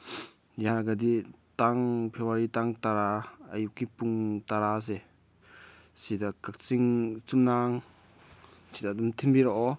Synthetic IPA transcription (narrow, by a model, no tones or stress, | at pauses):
jaɾɡaditaŋpʰewaɾitaŋtaɾaajukːipuŋtaɾas̬ɛ | sidakak̚t͡siŋt͡sumnaŋ | sidadɔmt̪ʰimbiɾɔʔɔ